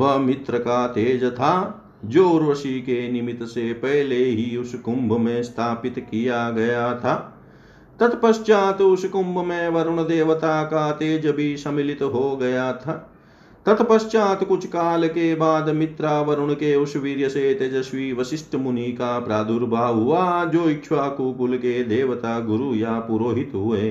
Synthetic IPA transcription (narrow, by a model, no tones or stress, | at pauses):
ʋɐmit̪ɾɐkaːt̪eːd͡ʒɐt̪ʰaː | d͡ʒoːɾʋɐsiːkeːnimit̪ɐseːpɐɦleːɦiusukumbʱɐmẽːst̪ʰaːpit̪kijaːɡɐjaːt̪ʰɐ | t̪ɐt̪pɐʃt͡ʃaːt̪usukumbʱɐmẽːʋɐɾuɳɐd̪eːʋɐt̪aːkaːt̪eːd͡ʒɐbʱisɐmilit̪ɦoːɡɐjaːt̪ʰɐ | t̪ɐt̪pɐʃt͡ʃaːt̪kut͡ʃʰkaːlɐkeːbaːd̪mit̪ɾaːʋɐɾuɳɐkeːuʃʋiːɾjɐseːt̪ed͡ʒɐsʋiːʋɐsiʃʈɐmuniːkaːpɾaːd̪uɾbʱaːɦuʋaːd͡ʒoːikʃʰʋaːkuːkulkeːd̪eːʋɐt̪aːɡuɾuːjaːpuɾoːɦit̪ɦuʋeː